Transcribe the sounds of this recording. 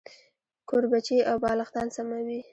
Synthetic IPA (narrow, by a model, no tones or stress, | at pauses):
kʰoɾbat͡ʃiʔawbɑlaxt̪ɑnsamawi